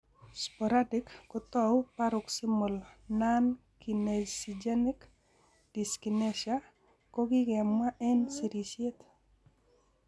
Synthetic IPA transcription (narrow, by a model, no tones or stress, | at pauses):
spɔɾadɪkːɔt̪ɔwpaɾʊksimolnan | kinesid͡ʒenɪk | d̥iskineʃja | kɔɡɪɡɛmːaʔɛnsiɾisjet̪